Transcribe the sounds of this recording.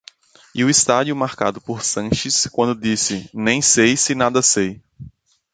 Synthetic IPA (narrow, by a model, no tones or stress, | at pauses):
iʊist̪ad͡ʒiʊmaɾka̰d̪ʊpoɾsɐ̃ʃɪskwɐ̃nd̪ʊd̪isɪnẽj̃sejsɪnad̪ɐsej